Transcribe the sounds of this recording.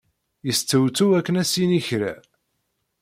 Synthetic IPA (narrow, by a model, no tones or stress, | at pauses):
jəst͡sːəwt͡sːuækːənæsiniçɾæ̰